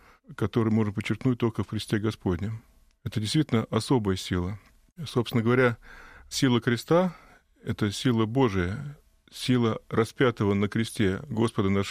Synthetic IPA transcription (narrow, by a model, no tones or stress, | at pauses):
kɐt̪o̞ɾɨjmo̞ʐnp̬ət͡ɕːɪrknut̚ʲt̪o̞lʲkəfxɾʲɪsʲtʲeɡɐspo̞dʲnʲɪm | ɛt̪ədʲɪst̪vʲitʲlʲnəʔɐso̞bəjəsʲilˠə | sopst̪ʲɪnəɡəvɐɾʲasʲilˠəxɾʲɪst̪a | ɛt̪əsʲilˠəbo̞ʐɨjə | sʲilˠərɐspʲat̪əvənəkɾʲɪsʲtʲeɡo̞spəd̪ənaʂ